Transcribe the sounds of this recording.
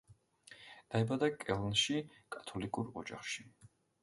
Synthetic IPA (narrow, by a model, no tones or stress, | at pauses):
d̪̥aɛbad̪akʼɛlˠnʃikʼat̪ʰɔlikʼuɾɔd͡ʒa̰χʃi